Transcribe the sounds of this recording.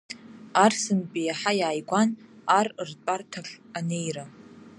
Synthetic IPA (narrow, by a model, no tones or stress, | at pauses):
arsɨnpʼijaħajaːjɡʷanarrtʷʼartʰaχʲane̞jra